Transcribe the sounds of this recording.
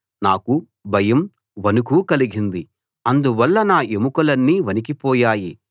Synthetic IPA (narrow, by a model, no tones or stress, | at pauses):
naːku | bʱɐjɐm | ʋɐnukuːkɐliɡind̪i | ɐnd̪uʋɐlːɐnaːʔemukɐlɐnːiːʋɐnikipɔːjaːji